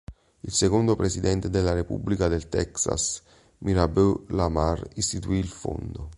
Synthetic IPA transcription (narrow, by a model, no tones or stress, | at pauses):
ilsekond̪ʊpɾesid̪ɛnt̪ed̪elːarepṵbːlikad̪elt̪ɛksa̰s | miɾabølamarist̪it̪uilfo̰nd̪ʊ